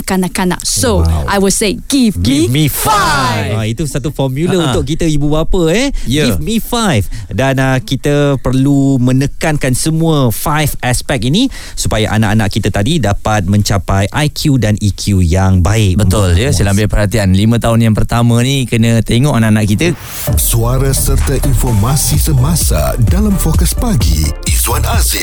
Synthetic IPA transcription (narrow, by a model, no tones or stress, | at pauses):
kanaʔkana̰ʔsoʔajwɔdseɡ̥ifɡimifaait̪usat̪ufɔmjuləunt̪ʊk̚kit̪əibubapəɛjifmĩfajfdanəkit̪əpərlumə̃nəkankansəmũəfajfaspɛk̚ini | supajaʔanaʔanaʔkit̪ət̪adidapat̪̚mə̃ɲt͡ʃapajʔajkʰjudanikʰjujaŋbaɪk̚bət̪ʊld͡ʒəsəlambɪpərhat̪ianlimə̃t̪aɦʊnjaŋpərt̪amə̃nikənə̃t̪eŋɔʔanaʔanaʔkit̪ə | suaɾasərt̪aʔinfɔrmasisəmãsa̰dalamfokəspaɡḭizwanazɪ